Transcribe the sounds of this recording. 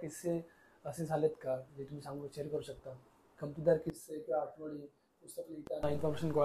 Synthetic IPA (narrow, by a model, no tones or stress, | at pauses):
kise | əsed͡zʱalet̪kad͡ʑet̪um̤isãŋɡət͡ɕeɾkəɾuɕəkt̪a | kəmt̪ud̪aɾkisepaʈʰməɽi | must̪əkliit̪anainfɔɾmeɕənkɔ